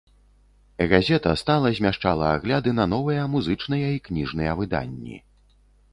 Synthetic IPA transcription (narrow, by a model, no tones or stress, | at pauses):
ɣazʲɛt̪ɐst̪alˠɐzʲmʲaʂt͡ʂalˠɐaɣlʲad̪ɨnɐnɔvɨjɐmuzɨt͡ʂnɨjɐiknʲiʐnɨjɐvɨd̪a̰nʲːḭ